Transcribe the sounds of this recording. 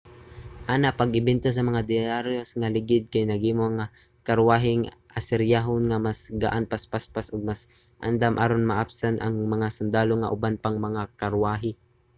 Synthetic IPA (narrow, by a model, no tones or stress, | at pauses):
ʔaːnapɐɡɪbɛnt̪as̬ɐmɐŋad̪ɪaɾjosŋalɪɡɪd̪̚kajnɐɡiːmoŋa | kɐɾwaːɦɪŋʔasɛɾjaːɦonŋamasɡa̰ʔanpaspaspasʊɡ̚mas | ʔa̰nd̪amʔaɾonmɐʔapsanʔa̰ŋmɐŋasʊnd̪aːloŋaʔʊbanpaŋmɐŋakɐɾwaːɦɪ